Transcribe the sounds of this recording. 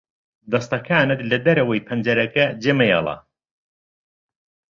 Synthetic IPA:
d̪ɐst̪ɐkʰaːnɨt̪lɐd̪ɐɾɐwɐjpʰɐnd͡ʒɐɾɐkɐd͡ʒemɐjɑ̰lˠɑ̰

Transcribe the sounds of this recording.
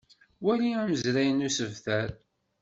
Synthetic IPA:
wæliæməzɾæjənusəvθæɾ

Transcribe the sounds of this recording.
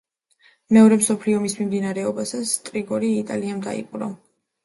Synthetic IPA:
mɛɔɾɛmsɔpʰliɔmismimd̪inaɾɛɔbasast̪ʼɾiɡɔɾiːt̪ʼa̰liamd̪a̰ḭqʼɾɔ̰

